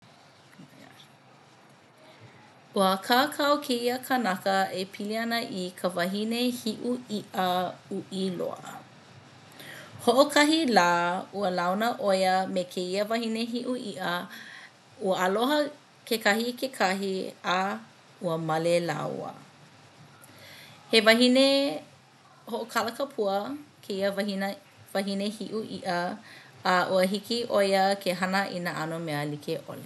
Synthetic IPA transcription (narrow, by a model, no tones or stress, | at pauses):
uəkʰakʰɐwkʰeiəkʰɐnɐkəepʰiliɐnəʔikʰəvɐɦinehiʔuiʔəuʔilo̰ə̰ | hoʔokʰɐɦilaːuəlawnəʔojəmekʰeiəvɐhineɦiʔuʔiʔə | uəɐloɦə | kekɐhikekʰɐɦia | uəmɐlela̰wə̰ | hevɐɦine | hoʔokʰɐləkɐpʰuəkʰeiəvɐhinə | vɐɦinehiʔuʔiʔə | ɐʔuəɦikiʔojəkʰeɦɐnəʔinəʔɐnomeəlikʰeʔo̰le